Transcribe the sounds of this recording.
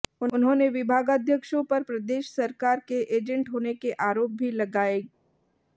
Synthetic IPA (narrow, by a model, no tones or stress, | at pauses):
ʊʊnɦõːneʋɪbʱaːɡaːd̪ʱjəkʃõpɐɾpɾɐd̪eːʃsɐɾkaːɾkeʔeːd͡ʒə̃ɳʈɦoːnekeʔaːɾoːp̚bʱilɐɡaːeː